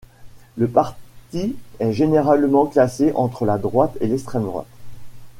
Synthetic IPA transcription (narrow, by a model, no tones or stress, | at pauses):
ləpaʁt̪iɛʒeneʁalmɑ̃klaseʔɑ̃t̪χəlad̪ʁwat̪elɛkst̪χɛmd̪ʁwa̰t̪